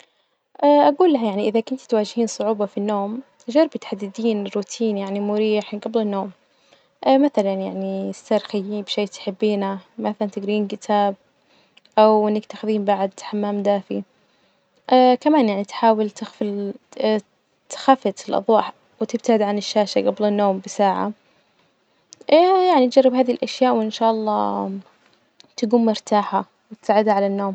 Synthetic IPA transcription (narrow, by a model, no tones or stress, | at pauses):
ʔaʔaɡuːlːaɦjaʕniʔɪðakʊnt̪t̪waːd͡ʒhiːnsˤʊʕuːbɑfinːoːm | ʒɑɾˤbɪt̪ħad̪ːɪd̪iːnɪrːuːt̪ʰiːnjaʕnimʊɾiːħɡɑblɪnːoːm | ʔamaθalanjaʕniɪst̪aːɾˤxajːiːbʃeːt̪ħɪbːiːnamaθalant̪ɪɡɾiːnkɪt̪ʰaːb̚ | ʔawʔɪnːakt̪axɪðiːmbaʕd̪ħamːaːmd̪aːfi | ʔkamaːnjaʕnit̪ħaːwɪlt̪ɪxfɪ | t̪xafːɪt̪ɪlʔɑ̰ðˤwɑːħ | wɪt̪ɪb̚t̪aʕɪd̪ʕanɪʃːaːʃaɡablɪnːoːmbɪsaːʕa̰ | jaʕnit̪̚d͡ʒɑrˤːɪbhaːðihilʔaʃjaːʔwʔɪnʃaːʔɑlˤːɑ̰ː | t̪aɡuːmːʊɾt̪aːħa | wɪt̪saːʕɪd̪haʕalanːoːm